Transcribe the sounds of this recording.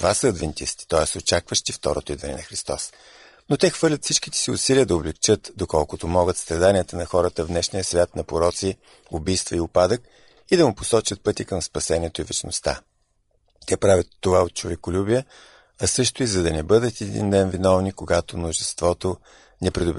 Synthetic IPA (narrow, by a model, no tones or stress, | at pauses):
t̪vasəːd̪vɛnt̪ḭst̪i̥t̪ɔɛsot͡ʃakvəʃt̪ift̪ɔ̰ɾo̰t̪oid̪vɐnɛ̰nɐxɾist̪ɔs | not̪ɛxvɤɾlʲət̪fsit͡ʃk̟it̪ɛ̥siʊ̰siliəd̪ɐoblɛkt͡ʃɤt̪d̪okɔlˠkʊt̪omɔɡət̪st̪ɾɐd̪anʲiət̪ənɐxɔɾət̪əvd̪nɛʃnijəsvʲjat̪nɐpoɾɔt̪si | obijst̪vɐiʊpad̪ək̚ | id̪ɐmʊpo̥sɔt͡ʃət̪̚pɤt̪ikəmspɐsɛniɛt̪oivɛt͡ʃno̰st̪a̰ | t̪ɛpɾavʲət̪ːovaot̪̚t͡ʃovɛkʊlʲubiə | ɐsɤʃt̪ʊizɐd̪ɐnɛbɤd̪ət̪ɛd̪ḭnd̪ɛnvinɔvnikoɡat̪omnoʒɛst̪vɔt̪o | nɛpɾid̪ʊb